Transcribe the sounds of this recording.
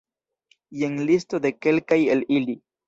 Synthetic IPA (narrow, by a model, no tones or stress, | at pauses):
jeŋlistod̪e̞ke̞lkajelili